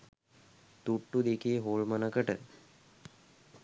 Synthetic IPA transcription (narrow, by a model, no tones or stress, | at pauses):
t̪uʈːud̪ekeːɦoːɭmənəkəʈə